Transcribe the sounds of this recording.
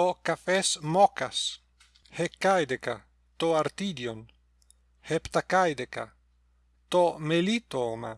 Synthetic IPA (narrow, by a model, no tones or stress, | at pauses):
okafesmɔkas | hekːajd̪eka | t̪oaɾt̪id̪jon | hept̪akajd̪eka̰ | t̪omelit̪oma̰